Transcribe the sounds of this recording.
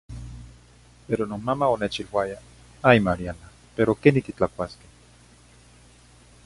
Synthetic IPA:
peɾononmamaonet͡ʃilwaja | ajmaɾiana | peɾokenit̪it͡ɬakʷaske̥

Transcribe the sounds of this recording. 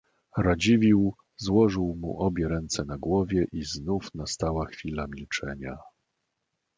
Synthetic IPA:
ɾad͡ʑivʲiw | zwɔʐɘwmṵʔɔbʲjɛɾɛnt̪sɛnaɡwɔvʲjɛʔiznufnast̪awaxfʲilamʲilt͡ʂɛɲa

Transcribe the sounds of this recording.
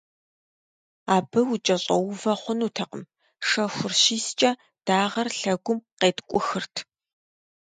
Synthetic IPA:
aːbɨwʊt͡ʃʼɐɕʼɐwvɐχʷʊnuːtʰɐqə̰m | ʂɐxʷʊrɕiːst͡ʃʼɐ | d̥aːʁɐrɬɐɡʷʊmqeːtkʷʼʊxɨrtʰ

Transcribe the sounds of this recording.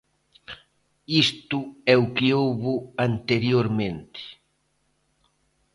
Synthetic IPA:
ist̪ʊɛʊkɪowβʊant̪eɾjoɾmẽnt̪ɪ̥

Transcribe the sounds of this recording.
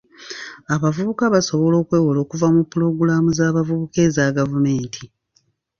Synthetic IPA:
aβavuβukaβaso̞βo̞lo̞ːkweːwolo̞ːkuvamupːuɾo̞ɡulamuzaːβavuβuke̞ːzaɡavume̞ːntʰi

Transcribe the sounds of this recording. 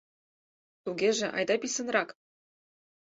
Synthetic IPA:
t̪uɡeʒĕʔɑ̰jd̪ɑpisə̆nrɑk

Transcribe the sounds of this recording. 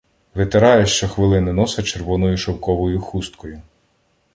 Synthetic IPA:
ʋɪt̪eɾɑjɛʃt͡ʃɔxʋɪlˠɪnɪnɔsɐt͡ʃeɾʋɔnɔjʊʃɔwkɔʋɔjʊxust̪kɔjʊ

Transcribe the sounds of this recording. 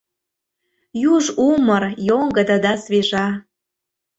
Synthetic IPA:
juʒumərjoŋɡə̆d̪ə̆d̪ɑsβeʒɑ

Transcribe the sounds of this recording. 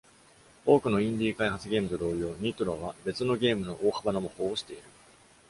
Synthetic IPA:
o̞ːkɯ̟no̞ĩnd̪ʲiːkaihat͡sɨɡʲe̞ːmɯ̟t̪od̪o̞ːjo̞ːn̟it̪oɾoβ̞abe̞t͡sɨno̞ɡʲe̞ːmɯ̟no̞ʔoːhabanomoho̞ːoɕi̥t̪e̞iɾɯ̟

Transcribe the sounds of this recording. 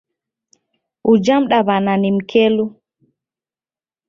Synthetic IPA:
ʔud͡ʒamɗaβananimkʰelu

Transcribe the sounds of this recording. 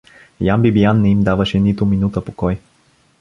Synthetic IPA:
jambibijanːɛimd̪avəʃɛnit̪ʊminut̪əpokɔj

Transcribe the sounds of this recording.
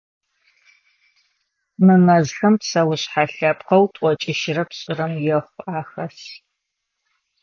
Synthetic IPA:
mɨmɐzxɐmpsɐwʊɕħaɬɐpʰʼqɐwtʷʼɔt͡ʃʼɪʃɪrɐpɕʼɪrɐmjɛχʷaːxɐs

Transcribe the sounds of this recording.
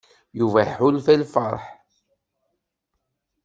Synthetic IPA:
juvæħʊlfælfə̰ɾˤħ

